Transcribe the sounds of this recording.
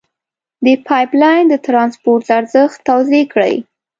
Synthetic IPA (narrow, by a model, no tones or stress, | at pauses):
d̪əpʰɑjplɑjnd̪ət̪ɾɑnspoɾt̪laɾzəxt̪ːawzekɽə̰j